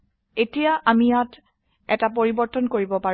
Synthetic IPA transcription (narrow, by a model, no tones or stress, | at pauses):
etijaʔamijat | ɛtapoɹibɔɹtɔnkoɹibɔpa